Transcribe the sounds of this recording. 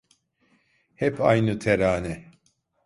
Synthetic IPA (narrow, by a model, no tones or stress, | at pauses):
hɛpʰajnɯt̪ʰɛɾaːnɛ